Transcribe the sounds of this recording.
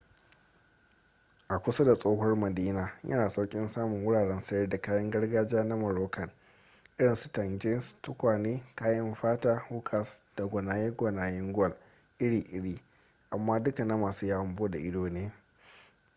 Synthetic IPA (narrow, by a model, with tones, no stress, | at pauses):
ʔa˨kʷʊ˦sa˦da˨sʼoː˦ɦɔ˦rmɐ˨diː˦naː˨jɐ̰˦naː˨sa˦wkʲʼɪ˦nsaː˦mʊ˨ŋwʊ˦ɽaː˨ɽɛ˦nsɐ˦jɐ˦rda˨kaː˦jɐ˦ŋɡɐ˦ɽɡaː˦d͡ʒaː˦na˦mɐ˨ɾoː˦kɐ˨n | ʔɪ˦ɽɪ˨nsu̥˦tɐ˨nd͡ʒe˦stʊ˦kʷaː˨neː˦kaː˦jɐ˦mɸaː˦taː˦huː˦kʰa˨sd̥a˨ɡʷɐ˨naː˨jɛ˦ɡʷɔ˨naː˨jɛ˦ŋɡɐ˨l | ʔɪ˦ɽiː˨ʔɪ˦ɽiː˦ | ʔa˨mːaː˦dʊ˦ka˨na˦maː˨suː˦jaː˦wɐ˦mboː˦da˨ʔɪ˦doː˦neː˦